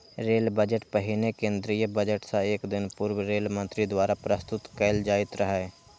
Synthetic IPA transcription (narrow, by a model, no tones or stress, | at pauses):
ɾeːlbəd͡ʒəʈpəɦɪnekẽːnd̪ɾijəbəd͡ʒəʈsãeːkd̪ɪnpʊɾwɾeːlmə̃nt̪ɾid̪waːɾapɾəst̪ʊt̪kɛːld͡ʒaːɪt̪ɾəɦae